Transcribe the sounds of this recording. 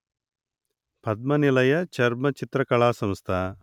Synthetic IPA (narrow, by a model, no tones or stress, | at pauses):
pɐd̪̚mɐnilɐjɐt͡ʃɐɾmɐt͡ʃit̪ɾɐkɐɭaːsɐ̃mst̪ʰaː